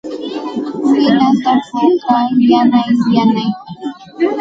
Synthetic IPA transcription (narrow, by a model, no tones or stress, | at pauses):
ɪnat̪apʊkajanajjanaj